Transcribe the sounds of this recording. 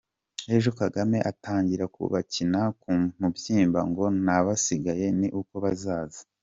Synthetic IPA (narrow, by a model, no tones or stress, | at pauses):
e̞ʒo̞kaɡame̞ʔataːɲɟiɾakṵβacinakumubjiːmbaŋɡo̞naβasiɡaje̞niʔuko̞βazaːzi̥